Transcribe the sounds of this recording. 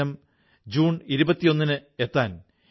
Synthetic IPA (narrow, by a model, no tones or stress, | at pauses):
ɐm | d͡ʑuːɳiɾubɐt̪ːijo̞nːinɨe̞t̪ːaːn